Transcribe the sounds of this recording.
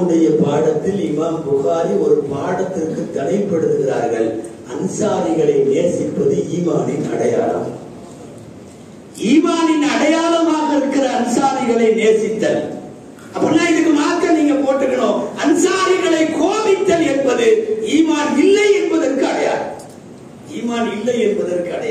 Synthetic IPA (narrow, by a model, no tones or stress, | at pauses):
ɯɽɐjɐpaːɽɐt̪ːɪlɪmaːnpʊɣaːɾiɔɾɯpaːɽɐt̪ːɪrkːɯt̪ːɐnɐɪpːɐɽɯðɯɣɪɾa̰ːɾɣɐɭ | ɐnsaːɾɪɣɐɭɐɪneːsɪpːɐðɯiːmaːnɪnɐ̰ɽɐja̰ːɭɐ̰m | iːmaːnɪnɐɽɐjaːlɐmaːɣɐɪɾɯkːɪɾɐːnsaːɾɪɣɐɭɐɪneːsɪt̪ːɐl | ʔɐpːɐɾɪnːaːɪðɯkːɯmaːkːɐniːŋɡɐpoːʈːɯkːɐɳoːɐnsaːɾɪɣɐɭɐɪkoːβɪt̪ːɐlɛnbɐðɯiːmaːnɪlːɐɪɛnbɐðɐɾkɯɐɽɐja̰ːlɐ | iːmaːnɪlːɐɪɛnbɐðɐrkɯɐɽɐ